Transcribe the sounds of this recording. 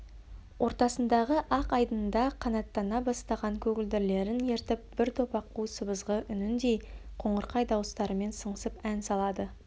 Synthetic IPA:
wʔo̞ɾt̪ɑsənd̪ɑʁəʔɑqɑjd̪ənd̪ɑqʰːɑnɑt̪ːɑnːɑbɑst̪ɑʁɑŋkʲʰɵɡʲɪld̪ɪɾle̞ɾɪne̞ɾt̪ɪp̚b̥ɪɾt̪ʰo̞pɑqːusəbəzʁəʔʏnɪnd̪e̞jqʰo̞ɴəɾqɑjd̪ɑwəst̪ɑɾəme̞nsəɴəsəpænsɑlˠɑd̪ə

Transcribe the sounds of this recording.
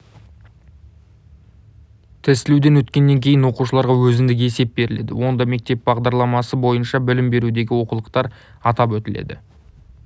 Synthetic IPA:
t̪ʰɪsɪlud̪e̞nwɵt̪kʲe̞nːe̞ŋkʲʰe̞jɪnwo̞quʃəlˠɑɾʁɑwɵzɪnd̪ɪkʲe̞se̞p̚be̞ɾɪle̞̰d̪ɪ̰wo̞nd̪ɑme̞k̚t̪e̞p̚bɑʁd̪ɑɾlˠɑmɑsəbo̞jənʃɑbɪlɪmbe̞ɾud̪e̞ɡʲɪwo̞qulˠəqt̪ɑɾ | ɑt̪ɑpwɵt̪ɪle̞̰d̪ɪ̰

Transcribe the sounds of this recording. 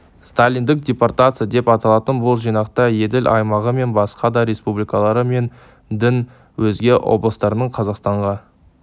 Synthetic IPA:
st̪alʲːijnd̪ɪk̚dʲeport̪at̪sɨjad̪e̞pɑt̪ɑlˠɑt̪ənbʊlˠʒijnɑqt̪ɑje̞d̪ɪlʔɑ̰jmɑʁəme̞nbɑsqɑd̪ɑɾʲe̞spublijkɑlˠɑɾəme̞n | d̪ɪn | wɵzɡʲe̞wo̞̰blˠəst̪ɑɾənəɴqʰɑzɑqst̪ɑɴʁɑ

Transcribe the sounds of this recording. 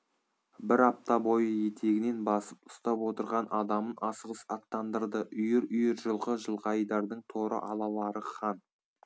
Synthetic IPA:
bɪɾɑp̚t̪ɑbo̞jəjet̪ʰe̞ɡʲɪne̞nbɑsəp̚ʊ̥st̪ɑpwo̞t̪əɾʁɑnɑd̪ɑmənɑsəʁəsɑt̪ːɑnd̪əɾd̪əʔʏjɪɾʏjɪɾʒəlˠʁəʒəlˠʁɑjd̪ɑɾd̪əɴt̪ʰoɾʔə̰ʔɑlˠɑlˠɑɾəqʰɑn

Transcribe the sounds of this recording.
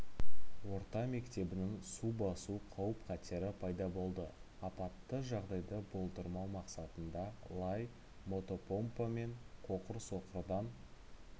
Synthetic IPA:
wo̞ɾt̪ɑme̞kt̪e̞bɪnɪŋsubɑsuqʰɑwəpqʰɑt̪eɾɪpʰɑjd̪ɑbo̞lˠd̪ə | ɑpɑt̪ːəʒɑʁd̪ɑjd̪əbo̞lˠt̪əɾmɑwmɑqsɑt̪ənd̪ɑlˠɑj | mo̞t̪o̞po̞mpame̞ɴqʰo̞qəɾso̞qəɾd̪ɑn

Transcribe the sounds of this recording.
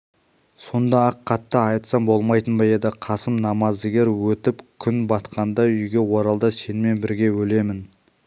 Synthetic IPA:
so̞nd̪ɑɑqʰːɑt̪ːəɑjt̪sɑmbo̞lˠmɑjt̪ənbɑjed̪ɪqʰɑsəmnɑmɑzd̪ɪɡʲe̞ɾwɵt̪ɪpkʲʰʏnbɑt̪qʰɑnd̪ɑʏjɡʲe̞wo̞ɾɑlˠd̪ɑse̞nɪme̞nbɪɾɡʲe̞wɵle̞mɪn

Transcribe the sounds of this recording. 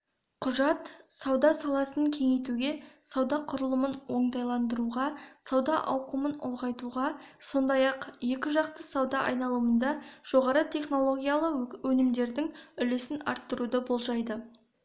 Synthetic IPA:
qʰʊʒɑt̪sɑwd̪ɑsɑlˠɑsəŋkʲʰe̞ŋe̞jt̪uɡʲe̞sɑwd̪ɑqʰʊɾəlˠəmənwo̞ɴt̪ɑjlˠɑnd̪əɾuʁɑsɑwd̪ɑʔɑwqəmənʊ̰lˠʁɑjt̪uʁɑso̞nd̪ɑjɑqje̞kʲɪʒɑqt̪əsɑwd̪ɑʔɑ̰jnɑlˠuənd̪ɑʒ̥oʁɑɾət̪ʰe̞χno̞lˠo̞ɡʲijalˠəwɵnɪmd̪e̞ɾd̪ɪŋʏle̞sɪnɑ̰ɾt̪ːəɾud̪əbolˠʒɑjd̪ə

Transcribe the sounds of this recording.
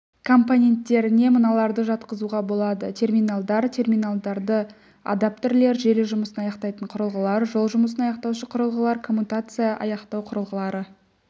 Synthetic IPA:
kʰo̞mponʲe̞nt̪ːe̞ɾɪne̞mənɑlˠɑɾd̪əʒɑt̪qəzuʁɑbo̞lˠɑd̪ət̪ʲʰe̞rmʲijnalˠd̪ɑɾt̪ʲʰe̞rmʲijnalˠd̪ɑɾd̪ə | a̰d̪ap̚t̪eɾle̞ɾʒe̞ɾeʒʊməsənɑjɑqt̪ɑjt̪əɴqʰʊɾəlˠʁəlˠɑɾʒo̞lˠʒʊməsənɑjɑqt̪ɑwʃəqʰʊɾəlˠʁəlˠɑɾkʰo̞mːut̪at̪sɨjaʔɑ̰jɑqt̪ɑwqʰʊɾəlˠʁəlˠɑɾə

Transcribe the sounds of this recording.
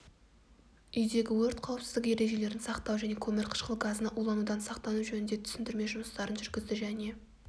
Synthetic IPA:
ʏjd̪e̞ɡʲɪwɵɾt̪̚qʰɑwəpsɪzd̪ɪkje̞ɾe̞ʒe̞le̞ɾɪnsɑqt̪ɑwʒæne̞kʲʰɵmɪɾqʰə̥ʃqəlˠɡazənɑʔulˠɑnud̪ɑnsɑqt̪ɑnuʒɵnɪnd̪e̞t̪ʰʏ̥sɪnd̪ɪɾme̞ʒʊməst̪ɑɾənʒʏɾɡʲɪzd̪ɪʒæne̞

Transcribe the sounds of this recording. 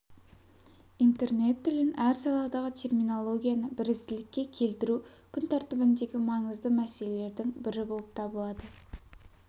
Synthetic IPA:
int̪e̞rne̞t̪ːʏlɪnæɾsɑlˠɑd̪ɑʁət̪ʰe̞rmino̞lˠo̞ɡʲijanəbɪɾɪzd̪ɪlɪkʲːe̞kʲʰe̞lt̪ɪɾukʲʰʏnt̪ʰɑɾt̪əbɪnd̪e̞ɡʲɪmɑɴəzd̪əmæse̞lele̞ɾd̪ɪŋbɪɾɪbo̞lˠəp̚t̪ʰɑbəlˠɑd̪ə

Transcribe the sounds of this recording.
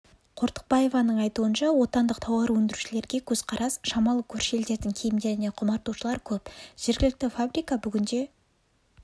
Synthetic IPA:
qʰoɾt̪ə̥q̚bɑje̞vɑnəɴɑjt̪uənʃɑwo̞t̪ɑnd̪əq̚t̪ʰɑwɑɾwɵnd̪ɪɾuʃɪle̞ɾɡʲe̞kʲʰɵzqʰɑɾʔɑsʃɑmɑlˠəkʲʰɵɾʃe̞ld̪e̞ɾd̪ɪŋkʲʰejɪmd̪e̞ɾɪneqʰʊmɑɾt̪uʃəlˠɑɾkʲʰɵpʒ̥e̞ɾɡʲɪlɪk̚t̪ɪfabrijkɑbʏɡʲɪnd̪e̞

